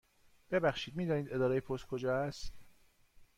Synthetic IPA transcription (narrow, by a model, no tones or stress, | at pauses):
b̥e̞bæxʃiːd̪̚miːd̪ɒːniːd̪e̞d̪ɒːɾejepʰost̪̚kʰod͡ʒɒːæst̪